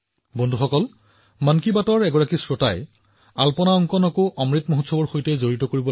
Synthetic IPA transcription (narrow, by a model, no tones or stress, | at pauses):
bondʱuxɔkɔl | mankibatɔɹɛɡɔɹakisɹotaj | alpɔnaɔŋkɔnɔkoʔɔmɹitmoɦotsɔbɔɹxojtɛzoɹitɔkoɹibɔ